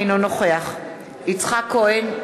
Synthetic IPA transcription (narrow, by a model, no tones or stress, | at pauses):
nonoχeaχ | it͡sχakːoʔen